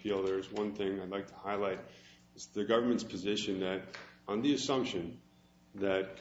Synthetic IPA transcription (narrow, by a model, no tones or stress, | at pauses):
filˠðə˞zwʌ̃nθɪ̃ŋaɪdˡlaɪk̚tʰə̥haɪlaɪɾ̚ | ɨzðɨɡʌvə˞mɨ̃ntspʰɨzɪʃɨ̃nðɨɾə̃nðiɨsʌ̃mpʃɨ̃n | ðɨt̚k